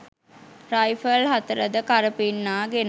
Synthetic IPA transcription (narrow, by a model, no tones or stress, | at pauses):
rajfəlɦat̪əɾəd̪əkaɾəpinːaːɡen